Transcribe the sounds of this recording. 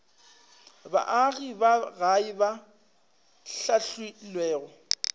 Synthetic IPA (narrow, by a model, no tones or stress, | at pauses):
ba̰ʔaɣibaɣaiba | ɬaɬwilwɛːɣɔ